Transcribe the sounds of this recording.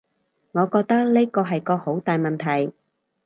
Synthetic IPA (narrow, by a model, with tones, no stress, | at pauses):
ŋɔː˨˧kɔː˧k̚t̪ɐ˥k̚leː˥kɔː˧ɦɐ˨jkɔː˧ho˨˥wt̪aː˨jmɐ˨nt̪ʰɐ˨˩j